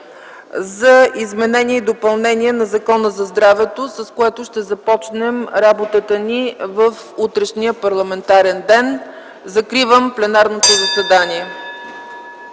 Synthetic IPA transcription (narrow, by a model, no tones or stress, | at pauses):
zɐizmɛnɛniɛid̪opɐlˠnɛniɛnɐzɐkɔnəzɐzd̪ɾavɛt̪osɐskoɛt̪oʃt̪ɛzɐpɔt͡ʃnɛmɾabot̪ət̪ənivəf | ut̪ɾɛʃniəpɐɾlˠɐmɛnt̪aɾɛnd̪ɛn | zɐkɾivəmplɛnaɾnot̪ozəsɛd̪anʲiɛ